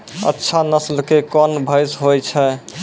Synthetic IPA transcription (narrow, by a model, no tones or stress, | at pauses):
ə̰tːʃʰanəslkekɔnbʱəjsɦojt͡ʃʰɛ